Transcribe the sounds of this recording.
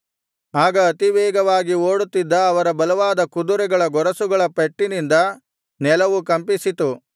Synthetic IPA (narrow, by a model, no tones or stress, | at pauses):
aːɡɐːt̪iʋɛːɡɐʋaːɡioːɽut̪ːid̪ːɐːʋɐɾɐbɐlɐʋaːd̪ɐkud̪uɾɛɡɐɭɐɡɔɾɐsuɡɐɭɐpeʈːinind̪ɐ | nɛlɐʋukɐmpisit̪u